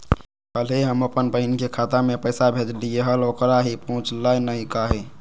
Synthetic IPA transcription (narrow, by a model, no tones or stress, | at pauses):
kəlɦiɦəməpənpəɦinikekʰat̪amepəjsabʱed͡ʒ̪lieɦəlokɾaɦipəɦũt͡ʃlajnəikaɦi